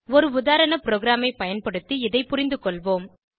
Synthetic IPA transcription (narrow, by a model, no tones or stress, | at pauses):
ɔɾɯʊðaːɾɐɳɐpɪɾoːɡɾaːmɐɪpɐjɐnpɐɽɯt̪ːiɪðɐɪpʊɾɪnd̪ɯkɔɭʋoːm